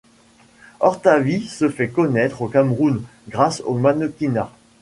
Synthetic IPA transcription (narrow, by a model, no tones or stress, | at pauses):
ɔʁt̪avisəfɛkɔnɛt̪χokamʁunɡʁaso̰manɔkʲina